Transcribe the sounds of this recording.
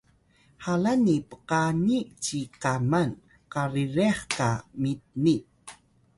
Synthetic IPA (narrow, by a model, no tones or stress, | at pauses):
halanipəqanit͡ɕikaman | kaɾiɾeχkamit̪̚ni